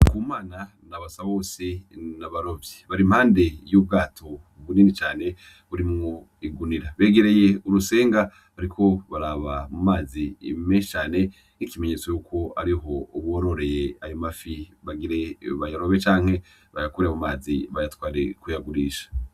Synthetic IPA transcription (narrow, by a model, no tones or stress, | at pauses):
kuːmaːna | naβasaβo̞senaβaɾo̞vjeβaɾimhaːnde̞jub̚ɡaːtʰo̞ | βuninit͡ʃaːne̞ | βuɾimŋo̞ | iɡuniɾaβe̞ːɡe̞ɾe̞je̞uɾuse̞ːŋɡa | βaɾikʰo̞βaɾaːβamumaːzḭmeʃt͡ʃaːne̞ | ikime̞ɲet͡sojukʰo̞aɾiɦo̞uβoɾo̞ɾe̞jeajomafiβaɡiɾe̞βajaɾo̞βet͡ʃaːŋ̥he̞ | βajakuɾemumaːziβajatwaːɾekujaɡuɾiʃḁ